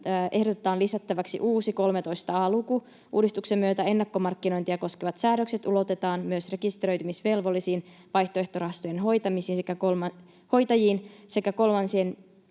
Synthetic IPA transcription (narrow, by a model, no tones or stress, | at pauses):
ʔe̞hdot̪et̪ɑːnlisæt̪ːæʋæksḭʔuːsiko̞lme̞t̪o̞jst̪ɑɑːluku | ʔṵːdist̪uksemːyøt̪æe̞nːɑkːomɑrkːino̞jnt̪ijɑko̞skeʋɑt̪sæːɾøkse̞t̪ulo̞t̪e̞t̪ɑːnmyøsre̞kist̪ɾø̞jt̪ymisʋe̞lʋo̞lːisiːn | ʋɑjht̪oe̞ht̪orɑɦɑst̪ojenɦo̞jt̪ɑmisiːnsekækolm | ho̞jt̪ɑjiːnse̞kæko̞lmɑnsien